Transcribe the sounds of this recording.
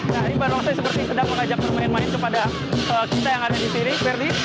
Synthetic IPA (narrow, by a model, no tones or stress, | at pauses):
naibaɾwaŋsajasəpərt̪isədaŋməŋad͡ʒak̚ərmaɪnmaɪnkəpada | əkit̪ajaŋadadisinifɛrdi